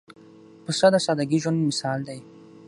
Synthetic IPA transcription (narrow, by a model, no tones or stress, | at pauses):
pəsad̪asɑd̪aɡiʒwand̪mɪsɑld̪aj